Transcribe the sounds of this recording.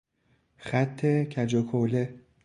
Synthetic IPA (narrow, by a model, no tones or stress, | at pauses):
xæt̪ʰːecʰæd͡ʒokʰole